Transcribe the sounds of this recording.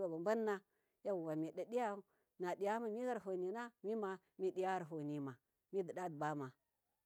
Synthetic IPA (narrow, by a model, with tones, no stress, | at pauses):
ba˨ba˨mba˦nː˦a˦ | ja˦wu˨wa˨mi˨ɗa˨ɗi˦ja˦ | na˨di˨ja˦ma˨mi˦ɣa˦ɾɦo˨ni˨na˦mi˦ma˨ | mi˦di˦ja˦ɣa˦ɾɦo˨ni˨ma˨ | mi˦də˨da˦dba˦ma˨